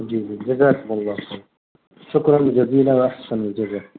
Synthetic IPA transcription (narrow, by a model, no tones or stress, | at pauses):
d͡ʒiːzid͡ʒazaːkʊmɑlˤːɑːfa | ʃʊkɾˤɑnd͡ʒaziːlawaʔaħsanɪld͡ʒazaː